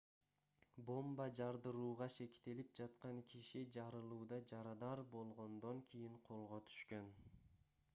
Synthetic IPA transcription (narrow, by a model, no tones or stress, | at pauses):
bo̞mbɑd͡ʒɑɾd̪ɯɾuːʁɑʃe̞kt̪elip̚d͡ʒɑt̪qɑŋkʲʰiʃid͡ʒɑɾɯlˠuːd̪ɑd͡ʒɑɾɑd̪ɑɾbo̞lˠʁo̞nd̪o̞ŋkʰʲijiɴqʰo̞lˠʁot̪ʰy̥ʃkøn